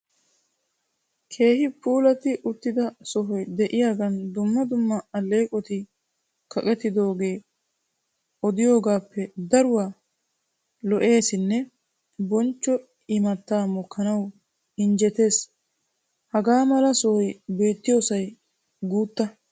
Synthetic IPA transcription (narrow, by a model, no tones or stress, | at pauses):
kʰe̞ːhɪpuːlɐt̪ɪʔʊt̪ːɪd̪ɐsɔɦɔjd̪ɛʔɪjaːɡɐnd̪ʊmːɐd̪ʊmːɐɐlːe̞ːkʼɔt̪ɪ | kʰɐkʼɛt̪ːɪd̪o̞ːɡe̞ː | ɔd̪ɪjo̞ːɡaːpːɛd̪ɐɾʊwa | lɔʔe̞ːsɪnːɛ | bɔnt͡ʃːɔ | ɪmɐt̪ːaːmɔkʰːɐnɐw | ɪnd͡ʒɛt̪e̞ːs | hɐɡaːmɐlɐsɔhɔjbe̞ːt̪ːɪjo̞ːsɐj | ɡuːt̪ːɐ